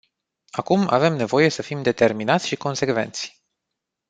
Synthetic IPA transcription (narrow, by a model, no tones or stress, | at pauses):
akuma̰ve̞mne̞vo̞je̞səfimd̪e̞t̪e̞rminat̪sʲʃiko̞nse̞kve̞̰nt̪sʲ